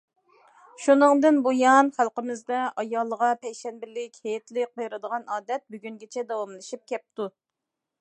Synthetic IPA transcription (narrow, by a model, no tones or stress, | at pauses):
ʃunɨŋd̪ɨnbojɑnχælˠqəmɪzd̪ɛɑjɑlˠːəʁɑpʰɛjʃɛnbɪlɪkʲhejɛt̪lɪk̚qojɾɨd̪əʁɑnɑːd̪ɛt̪̚byɡʲyŋɡʲet͡ʃʰɛd̪ɑwɑmlˠɨʃip̚kʲʰɛp̚t̪u